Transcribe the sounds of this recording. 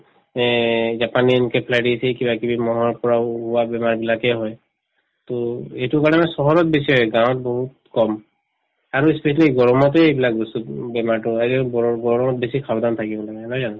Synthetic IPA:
ɛzapaninkɛpʰlajdisɛkibakibimɔɦɔɹpɔɹaɦuwabɛmaɹbilakɛɦɔj | toetukaɹɔnɛsɔɦɔɹɔt̚besiɦɔjɡãw̃ɔt̚bɔɦut | kɔm | aɹuispesaliɡɔɹɔmɔtɛebilakbɔsubɛmaɹtɔeɾɛɔɔɡɔɹɔmɔtbesikʰabd̪antʰakibɔlaɡɛnɔjzanɔ

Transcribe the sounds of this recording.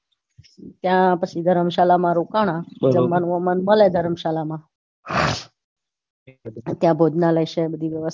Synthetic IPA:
t̪jãpət͡ʃʰid̪ʱəɾəmʃalamãɾukaɽ̃ãd͡ʒəmːənʋəmənməled̪ʱəɾəmʃalamã | t̪jãbʱod͡ʒnaləjʃebəd̪ʱiʋjəʋəs

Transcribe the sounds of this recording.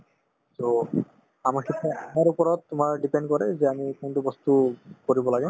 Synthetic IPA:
t̪o | amaɾkʰit̪ʰeɛaɾupɔɾɔt̪t̪omaɾɖipeɳɖkɔɾed͡ʑeamikonʈubɔst̪ukoɾibolaɡe

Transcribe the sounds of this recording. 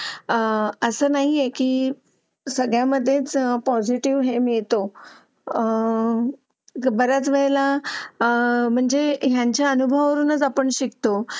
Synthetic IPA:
əsəːnaɦijekiː | səɡɭjaməd̪ʱːjet͡spɔd͡ʑiʈiʋɦemiɭt̪o | bəɾat͡sʋəɭla | m̤əɳd͡zeɦjãɲt͡ɕjaənubʱəʋəɾunət͡sapəɳɕikt̪o

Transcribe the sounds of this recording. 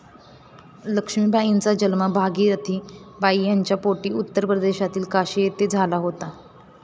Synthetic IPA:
ləkʂmiːbajint͡sad͡ʑəlməbʱaɡiːɾət̪ʰiːbaijaɲt͡ɕjapoʈiːut̪ːəɾpɾəd̪eɕat̪iːlkaɕejet̪ed͡zʱalaɦot̪a

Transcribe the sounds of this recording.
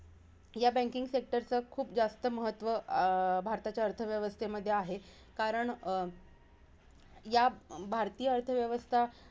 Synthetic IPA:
jabæ̃ŋkiŋɡsek̚ʈəɾt͡səkʰuːp̚d͡zast̪əməɦət̪ʋəbʱaɾt̪at͡ɕjaəɾt̪ʰəʋjəʋəst̪ʰeməd̪ʱːjeaɦe | kaɾəɳ | jabʱaɾt̪iːjəəɾt̪ʰəʋjəʋəst̪ʰa

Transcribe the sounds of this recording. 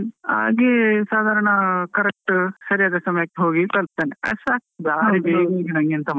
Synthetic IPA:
a̰ːɡisaːd̪ʱaːɾɐɳɐkɐɾek̚ʈsɐɾijaːd̪ɐsɐmɐjɐkːiɦoːɡikɐlp̚t̪ɐːneɐ̰saːk̚b̪aːɾibeːɡeɡinaŋɡiɐnt̪ɐm

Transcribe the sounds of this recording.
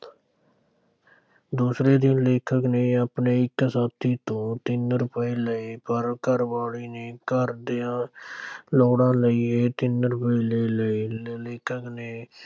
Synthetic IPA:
d̪uːsɾeːd̪ɪnleːkʰəkneːaːpneːɪkːsaːb̚t̪iːt̪õːt̪ɪnɾʊpəiːləeːpəɾkəɾʋaːɽiːneːkəɾd̪ɪjãː | loːɽãːləiːeːt̪ɪnɾʊpiːleːləileːkʰəkneː

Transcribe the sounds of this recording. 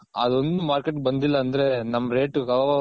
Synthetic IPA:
ɐ̰d̪o̞nd̪umaːɾkeʈbɐnd̪ilːɐːnd̪ɐɾe̞nɐmːɐɾe̞ːʈkɐʋɐʋa

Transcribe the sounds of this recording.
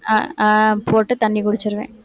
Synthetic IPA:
a̰ːpoːʈːɯt̪ɐɳːikʊɽɪt͡ʃːɪɾɯʋḛ̃ː

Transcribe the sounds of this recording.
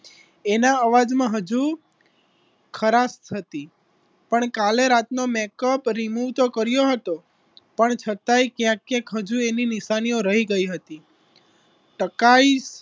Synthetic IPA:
enaəʋad͡ʒmãɦəd͡ʒu | kʰəɾast̪ʰət̪i | pəɳkaleɾat̪nomɛkəpɾimuʋt̪okəɾjoɦət̪o | pəɳt͡ʃʰət̪aikjãkːjãkɦəd͡ʒueninɪʃanioɾəɦiɡəiɦət̪i | ʈəkais

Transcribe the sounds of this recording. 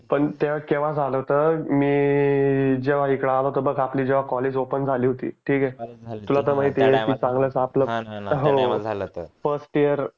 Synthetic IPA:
pəɳt̪eʋakeʋ̤ad͡zʱalət̪əɾmiː | d͡ʑeʋ̤aikɽaːləɦot̪əbəɡapliːd͡ʑeʋ̤akɔleːd͡ʑopənd͡zʱaliːɦot̪ḭːʈʰiːkɛt̪ulat̪̬əɾmait̪ekit͡sãŋɡləsapləɦo | fəɾsʈijəɾ

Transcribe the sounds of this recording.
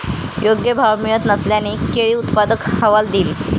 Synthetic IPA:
joɡjəbʱawmijət̪nəsljanekeɭiːut̪pad̪əkhəʋald̪iːl

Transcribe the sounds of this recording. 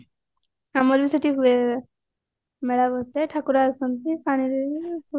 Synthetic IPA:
amɔɾbisɔʈiɦue | mɛɽabɔseʈʰakuɾaːsɔnt̪ipañiɾ

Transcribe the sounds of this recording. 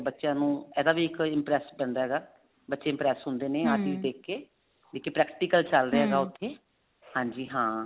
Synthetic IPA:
bətːʃjãːnũːɛːd̪aːbiːɪkɪmpɾɛːspɛ̃ːɳd̪aːɦɛːɡaː | bətːʃeːɪmpɾɛːsɦʊ̃nd̪eːneːaːt̪iːd̪eːkːeː | d̪eːkːeːpɾɛːkʈiːkəlt͡ʃəlɾɦɛːɡaːʊt̪ʰːeː | hãːɲd͡ʒiːɦãː

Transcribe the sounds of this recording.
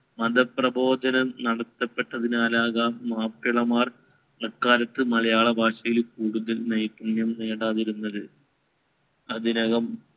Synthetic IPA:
mɐd̪ɐprɐbʱo̞ːd̪ɐnɐmnɐɽɐt̪ːɐpːe̞ʈːɐðinaːlaːɣaːmːaːpːiɭɐmaːr | nɐkːaːɾɐt̪ːɨmɐlɐjaːɭɐbʱaːʂɐjilkuːɽuðɐlnɐjkːunjɐmneːɽaːðiɾunːɐðɨ | ɐðinɐɣɐm

